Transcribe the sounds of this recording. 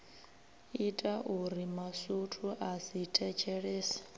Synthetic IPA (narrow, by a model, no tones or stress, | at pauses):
itʼaʔuɾimasutʰuʔasitʰɛt͡ʃʰɛɺeːsḁ